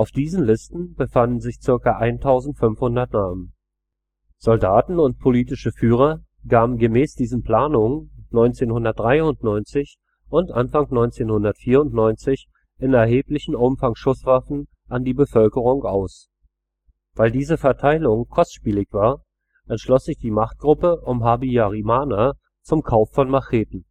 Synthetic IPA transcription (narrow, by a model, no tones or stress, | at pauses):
ʔaʊfd̥iːzn̩lɪstn̩b̥əfandn̩zɪçt͡sɪɐkɐʔaɪntʰaʊzn̩tfʏnfhʊndɐtnaːmən | z̥ɔldaːtn̩ʊnt̚pʰoliːtɪʃəfyːʁ̞ɐ | ɡ̥aːbm̩ɡəmɛːsd̥iːzn̩pʰl̥aːnʊŋənɔʏnt͡seːnhʊndɐt̚d̥ʁaɪʊntnɔʏnt͡sɪç | ʔʊntʔanfaŋnɔʏnt͡seːnhʊndɐtfiːɐʊntnɔʏnt͡sɪç | ʔɪnɛɐɦeːplɪçn̩ʔʊmfaŋʃʊsv̥afn̩ | ʔandiːbəfœlkəʁ̞ʊŋʔaʊs | v̥aɪldiːzəfɛɐtʰaɪlʊŋkʰɔstʃpiːlɪçv̥aːɐ | ɛntʃlɔsz̥ɪçd̥iːmaχt̚ɡ̥ʁʊpəʔʊmɦaːbiaʁimaːna | t͡sʊmkʰaʊfːɔnmaχeːtn̩